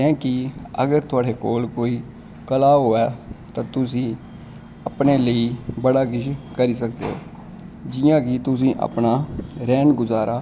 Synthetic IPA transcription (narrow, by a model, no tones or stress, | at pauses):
kɛ̃ːkɪə̰ɡəɾt̪ʊaːɽeːkoːlkoːiː | kəlaːɦoːɛːt̪ãːt̪ʊsĩː | əpneːləiːbəɽaːkɪʃkəɾiːsək̚d̪eːo̰ː | d͡ʒɪjãːkɪt̪ʊs̬ĩːʔə̰pnaːɾɛːnɡʊzaːɾaː